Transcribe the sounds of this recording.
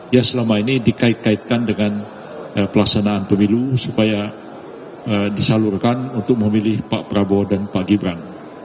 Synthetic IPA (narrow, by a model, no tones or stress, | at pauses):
jasəlamainidikait̪̚kait̪̚kandəŋan | əpəlaksanaːnpəmilusupaja | ədisalurkanunt̪ʊk̚məmilɪhpaʔpəɾabɔdanpaʔɡibɾan